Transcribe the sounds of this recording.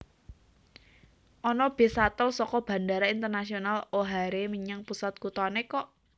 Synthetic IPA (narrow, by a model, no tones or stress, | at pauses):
ʔɔnɔb̥e̤sat̪əlsɔkɔb̥ä̤ndaɾaint̪ərnasionaloɦaɾemiɲaŋpusat̪̚kut̪ɔanekɔʔ